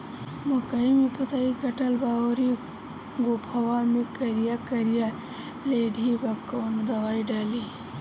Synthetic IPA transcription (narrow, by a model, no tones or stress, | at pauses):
mɐkɐimipɐt̪aːikɐʈɐlbaːoɾi | ɡopʰɐwaːmikɐɾijakɐɾija | leːɖʱibɐkoːnd̪ɐwaːiɖaːli